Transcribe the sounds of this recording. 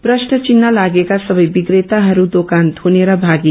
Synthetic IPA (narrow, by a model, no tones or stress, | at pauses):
pɾʌsʈʌt͡ʃinːʌlaɡekasʌbʌjbiɡɾet̪aɦʌɾud̪okant̪ɦuneɾʌbʱaɡi